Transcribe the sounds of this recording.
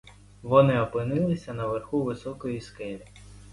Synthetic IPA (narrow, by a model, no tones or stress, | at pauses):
ʋɔnɪɔpɪnɪlˠɪsʲɐnɐʋerxuʋɪsɔkɔjiskɛlʲi